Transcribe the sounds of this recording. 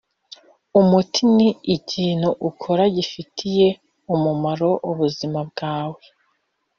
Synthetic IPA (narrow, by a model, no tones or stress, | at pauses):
umutʰiniːciːn̥huʔukʰoɾaɟifitʰije̞ | umumaɾo̞ʔuβuzimab̚ɡ̥aːwe̞